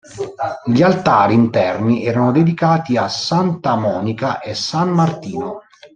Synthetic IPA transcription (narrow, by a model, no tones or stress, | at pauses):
ʎialt̪aːɾiːnt̪ɛrmiɛːɾanod̪ed̪ikaːt̪iasːant̪amɔːnikaʔesːanːart̪iːno